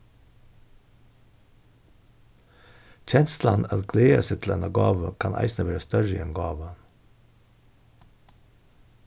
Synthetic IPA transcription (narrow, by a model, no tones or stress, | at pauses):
c͡çʰɛnsl̩ɑnɑt̪ɡʰleːəset̪ʰl̩ɛnɑɡɑːʋəkʰɑnʔæ̰ɪsnəʋæːɾəst̪œɾəḭːenɡɑːʋən